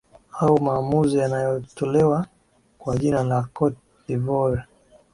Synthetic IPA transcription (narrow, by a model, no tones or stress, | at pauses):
aumaːmuzijanajɔtɔlɛwa | kwaʄinalakɔt̚ | divɔɾ